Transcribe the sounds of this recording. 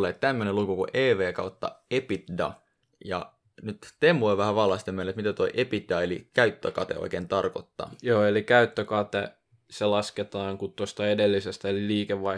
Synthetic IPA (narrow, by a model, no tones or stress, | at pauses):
lːˑeːt̪t̪æmːønelukukṵʔeːʋeːkɑut̪ːɑ̰epit̪dɑ̰ | jɑ̰ | nyt̪t̪emːuiʋæhæʋɑlːɑst̪emːelːˑet̪mit̪æt̪oiʔepit̪̚dɑelḭkæyt̪ːøkɑt̪ḛo̰ikeːnt̪ɑrko̰t̪ːɑ̰ːjoːelikæyt̪ːøkɑt̪e | selɑsket̪ɑːŋkut̪t̪ost̪ɑedelːisest̪æliːkeʋʋɑ